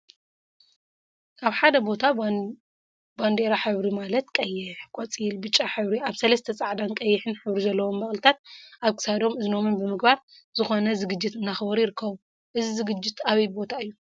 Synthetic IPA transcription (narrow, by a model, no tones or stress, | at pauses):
aβħad̪ɐbo̞t̪ʰa | band̪e̞ɾaħɨβɾimalɐt̪kʼɐjːɪħkʼot͡sʼilbɨt͡ʃʼːaħɨβɾiʔaβsɐlɐst̪ʰɐt͡sʼaʕd̪ankʼɐjːɪħɨnħɨβɾizɐlːɐwo̞mbɐχʼlɨt̪ʰat̪̚ʔaβkʰɨ̥sad̪o̞mɨzno̞mɨnbɨmɨɡbaɾ | z̥ɨxo̞nɐzɨɡɨd͡ʒːɪt̪ɨnːaxbɐɾjɪɾɨkʰːɐβu | ʔɨzizɨɡɨd͡ʒːɪt̪aβɐjbo̞t̪ʰaɨjːu